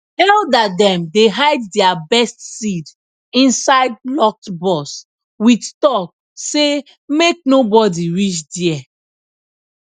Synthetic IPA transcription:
ɛldadɛ̃mdeɦaɪddɛabɛstsid | ĩnsaɪd̚lɔk̚tbɔs | widtɔk̚ | se | mek̚nobɔdiɹit͡ʃdiɛ

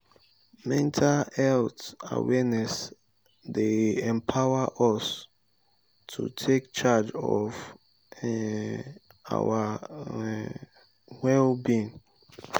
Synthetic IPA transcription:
mɛ̃ntʰalɛlta̰wɛnɛs | deɛ̃mpʰawaʔɔs | tʰṵtʰekt͡ʃad͡ʒɔ̰v | a̰wa | wɛlbĩn

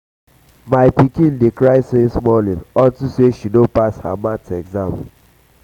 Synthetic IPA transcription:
maɪpikĩndekɾaɪsesmɔlĩnɔtuseʃinopasha̰matɛɡzãm

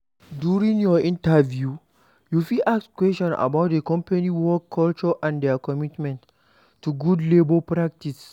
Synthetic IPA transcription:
djuɹĩŋjɔĩntavju | jufilʔakskwɛstɔ̃na̰baʊt̚dekɔ̃mpaniwɔkʰːɔlt͡ʃɔʔãndɛakɔmitmɛ̃ntː | uɡudlebopɹak̚tis

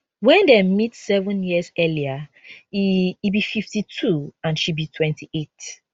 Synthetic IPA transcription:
wɛ̃ndɛmitsɛvə̃njiəzɛliaiːbififtitʰuãnʃibitʰwɛ̃ntʰiʔet

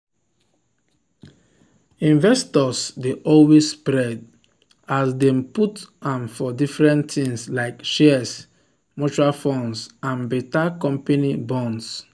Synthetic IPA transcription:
ĩnvɛstɔsdeʔɔlwesspɹɛd | asdɛ̃mputãmfɔdifɹɛ̃ntĩŋslaɪkʃɛs | mot͡ʃuɹalfɔ̃nsãnbetakɔ̃mpanibɔ̃ns

